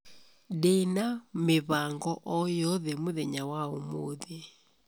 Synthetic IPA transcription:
denameβaŋɡɔʔɔjɔðɛmoðɛɲawaomoðe

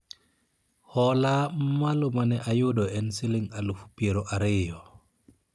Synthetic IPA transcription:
hɔlamalumanɛʔajudɔɛnsiliŋalufu̥peɾɔʔaɾɛjɔ

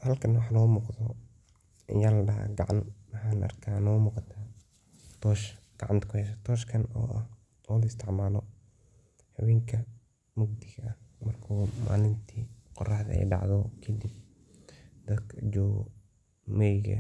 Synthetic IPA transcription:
hɐlkʰɐnwɑħnɔːmuːqðɔ | ʔɪ̰jaːlɐɖɐɦa̰ɡɑʕa̰nmɐħaːnʔɐ̰rkʰaːnɔːmuːqɑt̪ʰaː | t̪ʰɔːʃɡ̥ɑʕa̰nt̪kʰʊhɛʃ̬ɐt̪ʰɔːʃkʰɐnɔ̰ːʔɐ̰h | ɔlɐɪst̪ʰɪʕmaːlɔ | ħɑwɛːŋkʰɐ | mʊɡ̚d̪ɪɣɐɐhmɐrkʰuːma̰ːlɪnt̪ʰiːqɔ̰rɑħðɐ̰ɛ̰jɖɑ̰ʕðɔkʰɐd̪ɪb̚ | d̪̥ɐkʰd͡ʒɔ̰ː | mɛjɣɐ̰

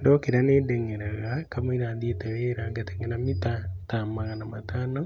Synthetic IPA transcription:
ndɔkeɾanedɛŋɛɾaɣakamoiɾaðieteweɾaŋɡeteŋenamitatamaɣanamatana

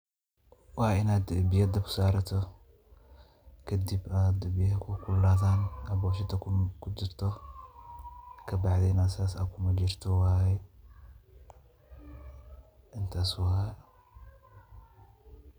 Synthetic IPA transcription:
waːɪnaːd̪bɪjɐd̪ɐbʰʊ̥saːɾɐt̪ʰɔ | kʰɐd̪ɪbaːd̪ʊbɪjhɛkʰʊkʰʊlːaːðaːnɐbɔːʃɪt̪ʰɐkkʰʊd͡ʒɪɾt̪ʰɔ | kʰɐbɑʕd̪ɛnasaːsa̰kʰʊmɐd͡ʒɪrt̪ʰɔwaːjɛ | ʔɪnt̪ʰaːswɐha

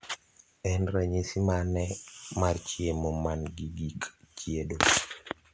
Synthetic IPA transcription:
ɛnɾaɲisimanɛmaɾt͡ʃiemɔmanɡidikt͡ʃiedo

